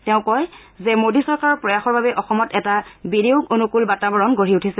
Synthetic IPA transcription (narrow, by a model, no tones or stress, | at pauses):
tɛʊ̃kɔj | zɛmodisɔɹkaɹɔɹpɹɔjaxɔɹbabɛʔɔxɔmɔtɛtabidiʊɡonukulbatabɔɹɔnɡoɹiutʰisɛ